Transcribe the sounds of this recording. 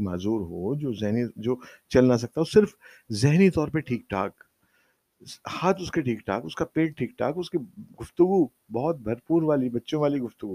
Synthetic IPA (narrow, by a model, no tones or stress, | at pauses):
maːzuːɾɦod͡ʒoːzɛɦnid͡ʒoːt͡ʃɐlnas̬ɐk̚t̪aɦosɪɾf | zɛɦnit̪ɔːɾpeʈʰiːk̚ʈʰa̰ːk | haːt̪ʊskeʈʰiːkʈʰa̰ːkʊskapeːʈ̚ʈʰiːk̚ʈʰa̰ːkʊskiɡʊft̪ʊɡu | bɔːɔt̪̚bʱɐɾpuːɾʋaːlibɐtːʃõʋaːliɡʊft̪ʊɡu